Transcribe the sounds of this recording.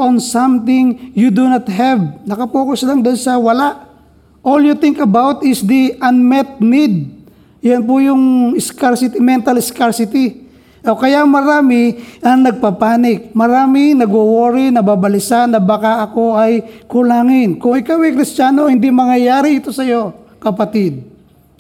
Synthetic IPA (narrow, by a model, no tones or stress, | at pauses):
ʔonsamt̪ɪ̃ŋjud̪unat̪̚ɦɛvnɐkɐpukosɪlaŋd̪ʊnsɐwɐlaʔ | ʔoljut̪ɪŋkɐbawt̪ɪsd̪iʔɐnmɛt̪̚nid̪̚ | janp̬ʊjʊŋɪskaɹsɪt̪ɪmɛnt̪ɐlɪskaɹsɪt̪i | ʔokɐjamɐɾaːmɪʔɐŋnɐɡ̚papaːnɪk̚mɐɾaːmɪnɐɡowoːɾɪnɐbabɐlɪsanɐbakaʔɐko̞ʔɐjkʊlaːŋɪnkʊŋɪkawɐjkɾɪst͡ʃaːnohɪnd̪imɐŋjɐjaːɾɪɪt̪o̞sɐjo̞kɐpɐt̪ɪd̪̚